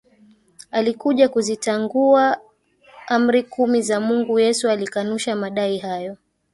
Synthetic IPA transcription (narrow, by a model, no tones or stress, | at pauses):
alikuʄakuzitaŋɡua | am̩ɾikumizamuŋɡujɛsualikanuʃamaɗaihajɔ